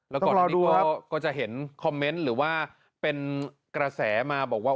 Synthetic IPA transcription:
lɛː˦˥ɔ˥ɔː˨˩˨ɾɔː˧nːiduː˥˧˥kɔː˥˦˥kɔː˥˩t͡ɕa˨˩ʔɦe˩˦nkʰɔ˧mːe˦˥nɾɯː˩˦waː˥˩ | pe˧n | kɾa˧sɛː˩˦maː˧bɔː˨˩k̚waː˥˩

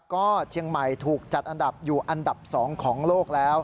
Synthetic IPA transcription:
kɔː˥˩t͡ɕʰi˧əŋma˨˩jt̪ʰuː˨˩k̚t͡ɕa˨˩t̪̚ʔa˧nda˨˩p̚juː˨˩ʔa˧nda˨˩p̚sɔː˩˦ŋkʰɔː˩˦ŋloː˥˩k̚lɛː˦˥w

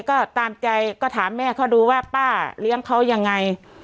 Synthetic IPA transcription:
kɔː˥˩t̪aː˧mt͡ɕa˧jkɔː˧˥˩t̪ʰaː˩˦mːɛː˥˩kʰa˥˩wduː˧waː˥˩paː˥˩li˦˥əŋkʰa˦˥wja˧ŋːa˧j

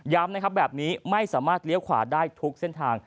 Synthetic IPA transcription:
jaː˦˥mna˦˥kʰa˦˥bɛː˨˩p̚niː˦˥ma˥˩jsaː˩˦maː˥˩t̪̚li˦˥əwkʰwa̰ː˨˩daː˥˩jt̪ʰu˦˥k̚se˥˩nt̪ʰaː˧ŋ

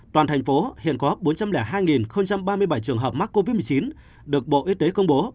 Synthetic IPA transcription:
t̪waː˨˩t̪ʰa˨˩jŋ̟fo˨˦hḭ˧˨ənkɔ˨˦˥p̚ɓo˨˦nt͡ɕa˧mlɛː˧˩ɦaː˧jŋi˨˩nxə˧wŋ͡mt͡ɕa˧mɓaː˧mɨ˧əjɓa˧˩jt͡ɕɨ˨˩əŋɦəː˨˩p̚ma˦˥k̚kːo˧vi˦˥t̚mɨ˨˩t͡ɕi˨˦n | ɗɨ˨˩ək̚ɓo̰˧˨ʔi˧t̪e˨˦kə˧wŋ͡mɓo˨˦

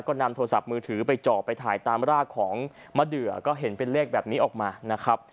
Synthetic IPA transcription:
kɔː˥˩na˧mt̪ʰoː˧ɾa˧sa˨˩p̚mɯː˧t̪ʰɯː˩˦pa˧jt͡ɕɔː˨˩pːa˧jt̪ʰa̰ː˩˦jt̪aː˧mɾaː˥˩kʰːɔː˩˦ŋ | ma˧˥˩dɯ˨˩ɐkɔː˥˩ɦe˩˦npe˧nleː˥˩k̚bɛː˨˩p̚niː˦˥ʔɔː˨˩k̚maː˧na˦˥kʰa˦˥p̚

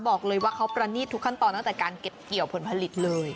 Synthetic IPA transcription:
bɔː˨˩k̚lɤː˧jwaː˥˩kʰa˦˥wpɾa˧niː˥˩t̪ʰːu˦˥kʰːa˥˩nt̪ɔː˧na˥˩t̪ɛː˨˩kaː˧nke˨˩p̚ki˨˩əwpʰo˩˦npʰa˧li˨˩t̪̚lɤː˧j

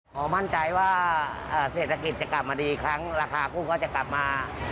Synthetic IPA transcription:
ʔɔː˨˦ma˥˩nt͡ɕa˧jwaː˥˩ʔaː˧˩seː˨˩t̪̚ʰa˧ki˨˩t̪̚t͡ɕa˨˩kla˨˩p̚maː˧diː˧kʰɾa˦˥ŋɾaː˧kʰaː˧kuː˥˩kʰɔː˥˩t͡ɕa˨˩ka˨˩p̚maː˧

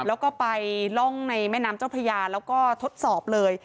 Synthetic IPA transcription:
lɛː˦˥wkɔː˥˩pa˧jlɔ˥˩ŋna˧jmɛː˥˩naː˦˥mt͡ɕa˥˩wpʰa˧jaː˧lɛː˦˥wkɔː˥˩t̪ʰo˦˥t̪̚sɔː˨˩p̚lɤː˧j

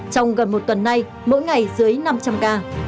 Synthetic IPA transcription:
t͡ɕɔ˧wŋ͡mɣə˨˩nmo˨˩t̚t̪ə˨˩nːa˧j | mo̰˧˥jŋa˨˩jzɨ˨˦əjna˧mt͡ɕa˧mkaː˧

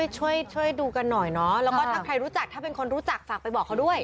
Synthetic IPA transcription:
əjt͡ɕʰu˥˩əjt͡ɕʰu˥˩əjduː˧ka˧nːɔ˨˩jnɔ˦˥lɛː˦wkɔː˥˩t̪ʰaː˥˩kʰɾa˧jɾuː˦˥t͡ɕa˨˩k̚t̪ʰaː˥˩pe˧nkʰo˧nɾuː˦˥t͡ɕa˨˩k̚faː˨˩k̚pa˧jbɔː˨˩kʰːa˦˥wdu˥˩əj

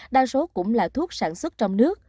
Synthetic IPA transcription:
ɗaː˧˩so˨˦kʊ̰˧˥ŋ͡mlaː˨˩t̪ʰu˦˥ət̚saː˧˩nswə˦˥t̚t͡ɕɔ˧wŋ͡mnɨ˦˥ək̚

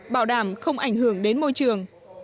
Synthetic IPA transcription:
ɓaː˧˩wɗaː˧˩mxə˧wŋ͡mʔa˧˩jŋ̟ɦɨ˧˩əŋɗe˨˦nmo˧jt͡ɕɨ˨˩əŋ

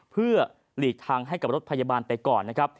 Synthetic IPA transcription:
pʰɯ˥˩ɐ | liː˨˩k̚t̪ʰaː˧ŋɦa˥˩jka˨˩p̚ɾo˦˥t̪̚pʰa˧jaː˧baː˧npa˧jkɔː˨˩nːa˦˥kʰɾa˦˥p̚

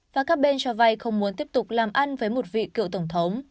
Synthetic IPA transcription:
vaː˨˩kaː˦˥k̚ɓe˧nt͡ɕɔ˧va˧jxə˧wŋ͡mmu˨˦ənt̪i˦˥əp̚t̪ʊ˨˩k͡p̚laː˨˩mʔa˧nvəː˨˦jmo˨˩t̚vḭ˧˨kɨ̰˧˨wt̪ə˧˩wŋ͡mt̪ʰə˨˦wŋ͡m

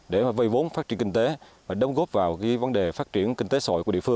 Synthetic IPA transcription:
ɗe˧˩maː˨˩və˧jvo˨˦nfaː˦˥t̚t͡ɕi˧əŋki˧ŋ̟t̪e˨˦vaː˨˩ɗə˨˦wŋ͡mɣo˦˥p̚vaː˨˩wka˨˦və˨˦nɗe˨˩faː˦˥t̚t͡ɕi˧˩ənkï˧ŋ̟t̪e˨˦so̰˧˨jkḭ˧˨˦fɨ˧əŋ

